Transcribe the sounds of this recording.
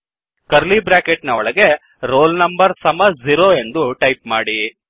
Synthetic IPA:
kɐɾlibɾaːkeʈnɐɔɭɐɡe̞ | ɾoːlnɐmbɐɾsɐmɐziɾoːe̞nd̪uʈɐjp̚maːɽi

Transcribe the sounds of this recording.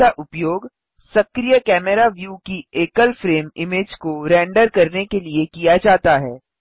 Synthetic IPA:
aʔʊpjoːɡ | sɐkɾijəkɛːmɛɾaʋjuːkieːkəlfɾeːmɪmeːd͡ʒkoɾɛ̃ːɳɖəɾkɐɾnekeliekijad͡ʒaːt̪aɦɛː

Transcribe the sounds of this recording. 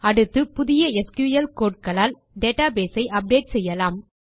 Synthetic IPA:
ɐɽɯt̪ːɯpʊðɪjɐɛskjuːjɐlkoːʈ̚kɐlaːl | ɖeːʈaːbeːsɐɪʔɐp̚ɖeːʈ̚sɛjːɐlaːm

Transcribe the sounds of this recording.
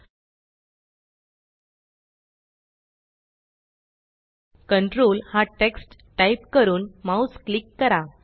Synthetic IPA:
kəɳʈɾoːlhaʈeksʈ | ʈajpkəɾuːnmausklikːəɾa

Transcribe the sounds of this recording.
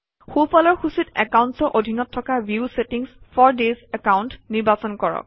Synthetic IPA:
xupɔlɔɹxusitɛkawntsɔʔodʱinɔtʰːɔkabjiusetiŋspʰɔɹdezɛkawntniɹbasɔnkɔɹɔ̰k̚

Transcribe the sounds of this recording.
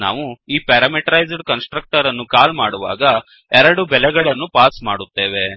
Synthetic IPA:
na̰ːʋuiːpɛːɾɐmeʈɐɾɐjd͡ʒɖkɐnsʈɾɐk̚ʈɐɾɐnːukaːlmaːɽuʋa̰ːɡɐ | ɛɾɐɽubɛlɛɡɐɭɐnːupaːsmaːɽut̪ːe̞ːʋe̞

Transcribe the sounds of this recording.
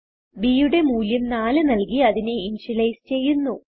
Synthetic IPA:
biːjuɽe̞muːljɐmnaːlɨnɐlkiɐðineinɕilɐjst͡ɕe̞jːunːu

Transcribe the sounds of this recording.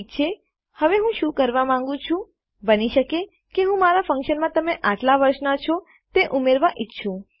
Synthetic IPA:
t͡ʃʰe | həʋeɦũʃũkəɾʋamãŋ̆ɡũt͡ʃʰũ | bəniʃəke | keɦũmaɾafə̃ŋkʃənmãt̪əmeʔaʈlaʋəɾʃnat͡ʃʰo | t̪eʔumeɾʋaʔɪtːʃʰũ

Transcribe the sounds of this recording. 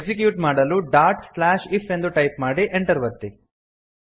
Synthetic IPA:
ksikjuːʈmaːɽɐluɖaːɾʈslaːʃifʰe̞nd̪uʈɐjpmaːɽiʔeɳʈɐɾʋɐt̪ːi

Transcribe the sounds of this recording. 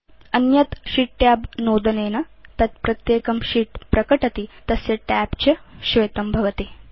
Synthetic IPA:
ɐnjɐt̪ʃiʈːjaːbnoːd̪ɐneːnɐt̪ɐt̪̚pɾɐt̪jeːkɐmʃiːʈpɾɐkɐʈɐt̪it̪ɐsjɐʈæːpt͡ɕɐʃʋejt̪ɐmbʱɐʋɐt̪eː

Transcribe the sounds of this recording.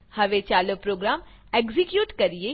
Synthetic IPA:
hɐʋet͡ʃaːlopɾoːɡɾaːm | eːkzikjuːʈkɐɾie

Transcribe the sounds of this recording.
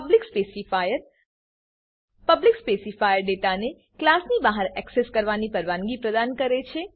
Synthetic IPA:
blikspesifajəɾ | pəblikspesifajəɾɖeʈane | klasnibaɦaɾɛkseskəɾʋanipəɾʋãŋɡipɾəd̪ankəɾet͡ʃʰe

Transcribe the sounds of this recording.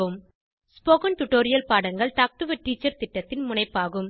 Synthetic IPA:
ɯm | spoːɣɐnt̪ʊʈːoːɾɪjɐlpaːɽɐŋɡɐɭt̪aːk̚ʈɯʋɐʈːiːt͡ʃːɐɾt̪ɪʈːɐt̪ːɪnmʊnɐɪpːaːɣɯm

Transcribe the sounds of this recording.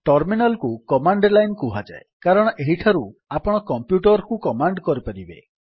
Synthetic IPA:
ʈɔɾminalkukɔmaɳɖlajnkuɦad͡ʒa̰ekaɾɔɽ̃ɔʔeɦiʈʰaɾuapɔɽ̃ɔkɔmpjuʈɔɾkukɔmaɳɖkɔɾipaɾibḛ

